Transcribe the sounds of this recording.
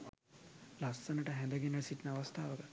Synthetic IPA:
lɐsːɐnɐʈɐɦɛnd̪ɐɡinɐɭsiʈnɐːʋɐst̪ʰaːʋɐɡɐ

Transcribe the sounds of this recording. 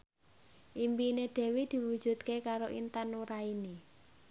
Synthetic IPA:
ʔimpineɖ̥ɛ̤wed̪̥i̤wud̥ʒ̥ṳt̪̚kekaɾoʔḭnt̪anuɾaini

